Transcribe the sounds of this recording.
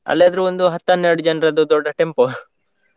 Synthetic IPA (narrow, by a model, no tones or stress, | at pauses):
ɐ̰lːjaːd̪ɐɾuond̪uɦɐt̪ːɐnːeɾɖud͡ʒɐnɐɾɐd̪ud̪ɔɖːɐʈempo